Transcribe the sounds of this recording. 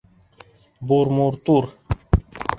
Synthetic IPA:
buɾmuɾt̪uɾ

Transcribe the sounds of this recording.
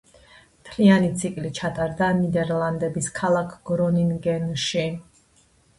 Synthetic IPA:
mt̪ʰlianit̪sʰikʼlit͡ʃʰat̪ʼaɾd̪anid̪ɛɾlˠand̪ɛbiskʰalˠakʰɡ̥ɾɔniŋɡɛnʃi

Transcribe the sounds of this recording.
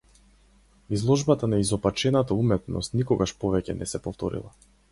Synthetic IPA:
izlˠɔʒbat̪anaizɔpat͡ʃɛnat̪aumɛt̪nɔ̰st̪nikɔɡaʃpɔvɛcɛnɛsɛpɔft̪ɔɾḭlˠa̰

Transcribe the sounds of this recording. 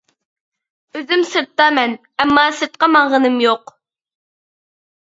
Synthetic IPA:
øzymsɨɾt̪ːɑmɛn | æmːɑːsɨɾt̪̚qɑmɑɴʁənɨmjoq

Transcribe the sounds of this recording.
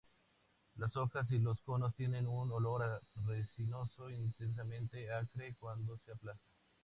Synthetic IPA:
laso̞kas̬ilo̞sko̞no̞st̪je̞nẽ̞nunolo̞ɾaresino̞so̞int̪ens̬amẽnt̪e̞akɾekwand̪oseaplasḁ

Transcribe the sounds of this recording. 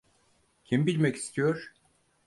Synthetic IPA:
cʲʰimbilʲmɛci̥st̪ʰijoɾ̥

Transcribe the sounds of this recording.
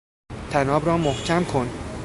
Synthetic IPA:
t̪ʰænɒːbɾɒːmohcʰæmkʰon

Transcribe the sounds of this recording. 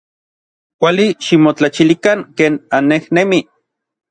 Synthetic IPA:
kʷaliʃimot͡ɬat͡ʃilikaŋkeːnanːehnemi

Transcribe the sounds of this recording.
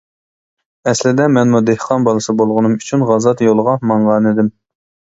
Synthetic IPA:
ɛslɪd̪ɛmɛnmud̪ehqʰɑnbɑlˠɨsɨbolˠʁʊnɨmyt͡ʃʰynʁɑzɑt̪jolˠʁɑmɑɴʁɑnɪd̪ɪm

